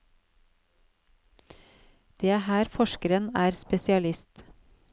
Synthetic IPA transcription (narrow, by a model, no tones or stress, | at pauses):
d̪̥eːhæːɾfɔʃkəɾənæːɾspɛsɪɑlɪst̪